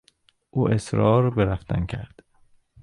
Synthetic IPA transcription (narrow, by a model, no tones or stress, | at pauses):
ʔuːʔesɾɒːɾbeɾæft̪ʰæ̰ncʰæɾd̪̥